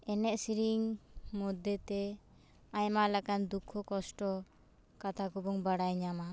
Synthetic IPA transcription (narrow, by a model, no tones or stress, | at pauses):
ɛnɛʔsiɾiŋmɔd̪et̪ɛ | ajmaʔlakand̪ukʰːɔkɔsʈɔ | kat̪ʰakubɔŋbaɽajɲama